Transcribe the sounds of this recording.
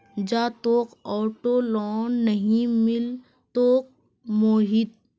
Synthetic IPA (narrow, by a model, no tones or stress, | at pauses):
d͡ʒaːt̪oːqɔːʈolɔːnːəɦĩmɪl | t̪oːq̚ | moːɦit̪̚